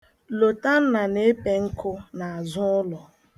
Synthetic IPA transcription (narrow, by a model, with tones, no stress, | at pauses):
lo˨ta˦n̩˦na˨ne˦e˦pe˦ŋ̩˦kʰʊ˦na˨a˨zʊ˦ʊ˦lɔ˨